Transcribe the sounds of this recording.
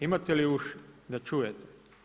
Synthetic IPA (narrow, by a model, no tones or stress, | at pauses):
imat̪ɛliuʃd̪at͡ʃujɛt̪ɛ̥